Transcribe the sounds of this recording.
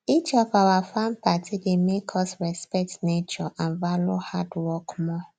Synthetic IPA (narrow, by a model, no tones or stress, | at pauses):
it͡ʃɔfawafam̩patʰidɪmekʰɔsɾɛspɛktnet͡ʃɔʔanvalohadwɔkmɔ